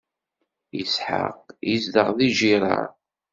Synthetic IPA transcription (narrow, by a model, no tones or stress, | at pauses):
isħa̰qjizd̪əʁðiʒiɾˤɑ̰ɾˤ